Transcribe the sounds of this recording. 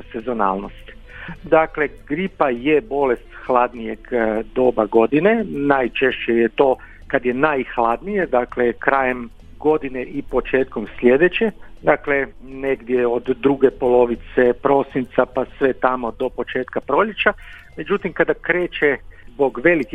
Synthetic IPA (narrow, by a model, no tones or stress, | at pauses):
sezo̞na̰ːlˠnost̪i̥ | d̪akle̞ɡɾipajebo̞lest̪xlad̪nije̞ɡd̪o̞ːbaɡo̞d̪inenajt͡ʃeʃejet̪o̞ː | kad̪jenajxlˠad̪nijed̪aklekɾaːjem | ɡo̞d̪ineʔipo̞t͡ʃe̞ːt̪komslʲe̞d̪e̞t͡ɕed̪aːkleneɡd̪jeo̞d̪ːɾuɡepo̞lo̞ʋit̪sepɾo̞sint̪sapasʋe̞t̪amo̞d̪o̞po̞t͡ʃeːt̪kapɾo̞ʎet͡ʃa | me̞d͡ʒut̪imkad̪akɾe̞ːt͡ʃezbo̞ɡʋe̞liki